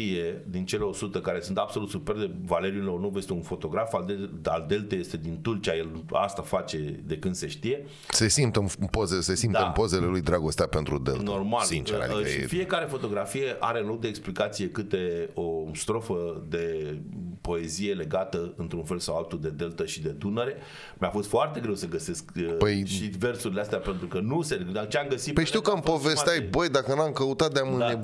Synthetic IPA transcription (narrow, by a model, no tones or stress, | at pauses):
ije̞d̪int͡ʃe̞leo̞sut̪ekaɾe̞sunt̪ab̥so̞lut̪supe̞rd̪evale̞ɾiunornovjest̪eunfo̞t̪o̞ɡɾafald̪ea̰ld̪e̞lt̪eje̞st̪e̞d̪int̪ult͡ʃʲajela̰st̪afat͡ʃe̞d̪e̞kɨnd̪se̞ʃt̪ije̞ | sesimt̪əpozesessimt̪əmpo̞zelelujd̪ɾaɡo̞st̪eape̞nt̪ɾud̪ḛltno̞rmalint͡ʃa̰fije̞kaɾe̞fo̞t̪o̞ɡɾafije̞ʔa̰ɾe̞ɨnlo̞k̚d̪e̞ːksplikat̪sijekɨt̪e̞o̞st̪ɾo̞fəd̪e̞ | po̞e̞zije̞le̞ɡat̪əɨnt̪ɾunfe̞lsawalt̪ud̪e̞d̪e̞lt̪əʃid̪e̞d̪unəɾe̞ | meafo̞st̪foart̪e̞ɡɾe̞wsəɡəse̞skpəjʃive̞rsuɾileast̪eape̞nt̪ɾukənuseat͡ʃeamɡəsit̪pəjʃt̪iwkəampovest̪ajbəjd̪akənamkəut̪at̪̚d̪eamɨne